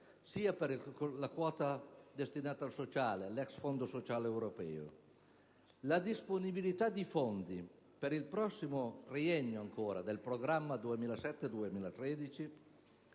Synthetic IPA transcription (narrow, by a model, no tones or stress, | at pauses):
siːapeɾlakwɔːt̪ad̪est̪inaːt̪aːlsot͡ʃaːlealɛksfond̪osot͡ʃaːlewɾopɛ̰ːo̰ | lad̪isponibilit̪ad̪ifond̪i | peɾilpɾɔsːimoriɛɲːoaŋkʰoːɾad̪elpɾoɡɾamːad̪uemiːlasɛt̪ːed̪uemiːlat̪ɾɛd̪it͡ʃi